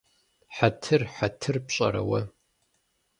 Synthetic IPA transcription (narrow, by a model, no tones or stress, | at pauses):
ħatʰɨrħatʰɨrpɕʼɐ̰ɾɐ̰wɐ